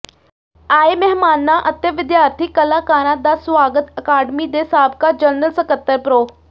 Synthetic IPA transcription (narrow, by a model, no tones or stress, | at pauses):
aːemɛɦmaːnːaʔət̪jəʋɪd̪jaːɾt̪ʰikːəlakaːɾãd̪asʋaːɡət̪əkaːɖmid̪esaːb̚kad͡ʒəɾnəlsəkət̪ːəɾpɾoː